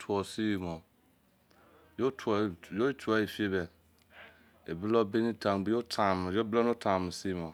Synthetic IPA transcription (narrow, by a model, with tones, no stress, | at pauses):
tʰu˨ɔ˨si˦˨mɔ˨ | jo˦tʰu˨jo˦tʰu˨˦a˦i˨fi˦e˦bɛ˨ | e˨bi˦lɔ˦be˦nĩ˦tã˨ŋ˨ɡ͡bi˨jo˦tʰa˨m˨jo˦blɔ˦no˦tʰã˨mĩ˨si˦˨mɔ̃˨